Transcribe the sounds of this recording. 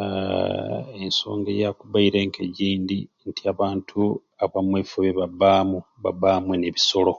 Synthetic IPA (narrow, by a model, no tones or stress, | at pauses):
enso̞̰ːŋɡejakuβaiɾeŋkʰeɟiːndintʰiaβaːntʰu | aβamweːfuβeβabaːmuβa̰baːmweneβiso̞lo̞